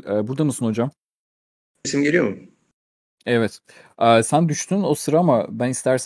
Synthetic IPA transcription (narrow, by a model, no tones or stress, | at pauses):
ɛːbuɾd̪amɯsɯnho̞d͡ʒam | simɟelʲijomum | ɛvɛt̪ | ʔɛːsænd̪yʃt̪ʰyno̞sɯɾaamabænist̪ʰæɾs